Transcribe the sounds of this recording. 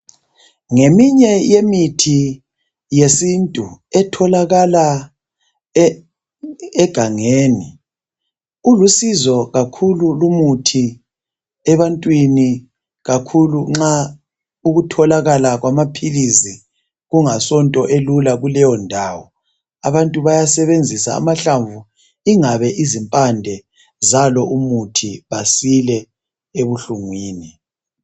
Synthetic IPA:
ŋemiɲɛjemitʰi | jesintʼuɛtʰɔlaɣala | ɛɡ̥ʱaŋeːni | ulusizɔɣakʰululumutʰi | ɛβantʼwini | ɣakʰuluŋ͡ǁa | uɣutʰɔlaɣalaɣwamapʰilizi | ɣuŋasɔntʼɔʔelulaɣulɛjɔndʱaːwɔ | a̰βantʼuβajasɛβend͡zʱisa̰ːmaɬaɱvu | iŋaβɛʔizimpʼandʱɛ | zalɔumutʰiβasilɛ | eβuɬuŋwiːni

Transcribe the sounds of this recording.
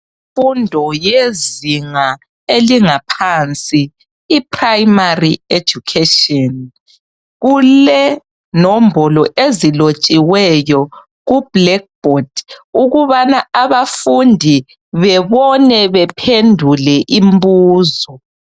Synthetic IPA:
ifundʱɔjeziŋa | eliŋapʰant͡sʼiː | pʰʼrajmaried͡ʒukʰetɔn | ɣulɛ | nombʱɔlɔʔezilot͡ʃʼiwɛjɔ | ɣub̥lɛk̚b̥ʱɔd̥uɣuβanaaβafundʱi | βɛβɔnɛβɛpʰendʱulɛʔimbuːzɔ

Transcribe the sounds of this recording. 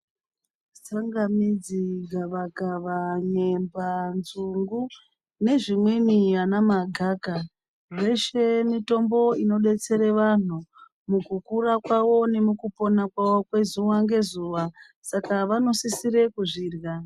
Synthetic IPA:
saŋɡamid͡ziɡʱaʋakaʋaɲe̞mbanzuŋɡu | ne̞ʐimwenianamaɡʱaka | re̞ʃe̞mito̞mbo̞ino̞ɗe̞t͡se̞ɾe̞ʋan̤u | mukukuɾakwawo̞ne̞mukupo̞nakwawo̞kwe̞zuʋaŋɡe̞zuːʋa | sakaʋano̞sisiɾe̞kuʐiːrja

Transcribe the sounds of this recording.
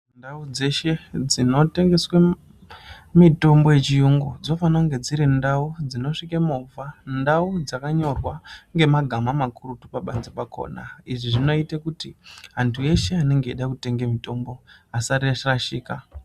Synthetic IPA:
ndaud͡ze̞ʃe̞d͡zino̞te̞ŋɡe̞swe | mito̞mbo̞je̞t͡ʃijuŋɡud͡zo̞fanaŋɡe̞d͡ziɾindaud͡zino̞ʂikemovʱandaud͡zakaɲo̞rwaŋɡe̞maɡʱamamakurutupaɓanzipakʰo̞̰na̰iʐiʐino̞itekutiɦantʰuje̞ʃe̞ane̞ŋɡeːɗakute̞ŋɡe̞mito̞mboasariaʃiraʃiːka

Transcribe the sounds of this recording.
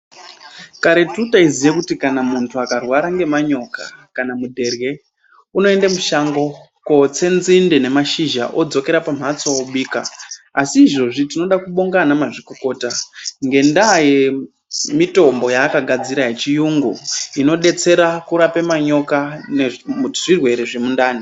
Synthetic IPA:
kaɾe̞tutaizijekutikanamuntʰuakarwaɾaŋɡe̞maɲo̞kakanamudʱe̞rɣe̞ | uno̞e̞ndamuʃaŋɡo̞ | ko̞t͡se̞nzindene̞maʃiʒa̰ʔo̞d͡zo̞ke̞ɾapam̤at͡sooɓiːka̰ːsiːʐo̞ʐitino̞ɗakuɓoŋɡanamaʐikoko̞ːtaŋɡe̞ndaje | mito̞mbo̞jaːkaɡʱad͡ziɾaɦet͡ʃijuŋɡuino̞ɗe̞t͡se̞ɾakuɾapemaɲo̞kaneʐirwe̞ɾeʐe̞mundaːni

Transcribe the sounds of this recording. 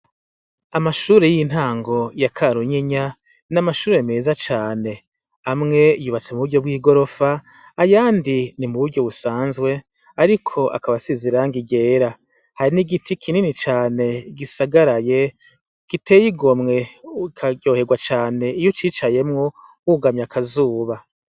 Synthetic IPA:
amaʃuːɾe̞jiin̥haːŋɡo̞jakʰaɾuɲeɲa | namaʃuːɾemeːzat͡ʃaːne̞ | amŋe̞juːβat͡se̞muβuɾɟo̞bɡwiːɡo̞ɾo̞faː | jaːndinimuβuɾɟo̞βusaːnzɡwe̞ | aɾikʰo̞ʔa̰kaβasiziɾaŋɡiɡe̞ːɾa | haɾiniɡitʰikʰininit͡ʃaːne̞ɡisaɡaɾaje̞ | ɡ̥ite̞jiɡo̞mŋe̞ikʰaɡo̞ːhe̞ɡwat͡ʃaːne̞ijot͡ʃiːt͡ʃaje̞mŋo | uɡamɲakʰazuːβa

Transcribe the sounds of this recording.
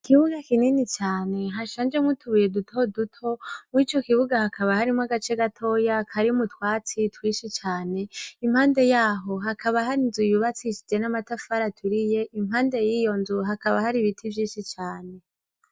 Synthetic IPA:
kiβuɡakininit͡ʃaːne̞ɦaʃaːnd͡ʒe̞mŋwutʰuβuje̞dutʰo̞dutʰo̞mit͡ʃo̞kiβuɡahakʰaβahaɾimŋaɡat͡ʃe̞ɡatʰo̞jakʰaɾiumutwaːt͡sitwiːʃit͡ʃaːne̞im̥haːnde̞jaːɦo̞ɦakʰaβaɦaɾinzujuβat͡siʃid͡ʒe̞namatafaɾatʰuɾije̞ʔimhaːnde̞jiːjo̞nzuɦakaβahaɾiβitʰivjiːʃit͡ʃaːne̞

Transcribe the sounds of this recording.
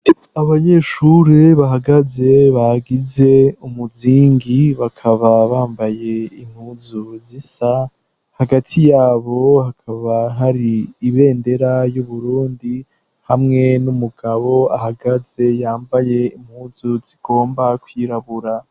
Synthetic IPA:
aβaɲeːʃuɾeβaɦaɡaze̞βaɡize̞umuziːŋɡiβakʰaβaβaːmbaje̞im̥huzuzisa | haɡatʰijaːβo̞hakʰaβaɦaɾiːβe̞ːnde̞ɾajuβuɾuːndi | hamŋe̞numuɡaβo̞ahaɡaze̞jaːmbaje̞im̥huːzuz̥iɡ̥o̞ːmbakwiɾaβuɾa

